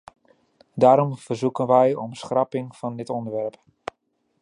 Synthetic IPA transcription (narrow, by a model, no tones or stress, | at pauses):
daːɾɔmvərzukənʋɛjɔmsχrɑpɪŋfɑndɪtɔndərʋɛrp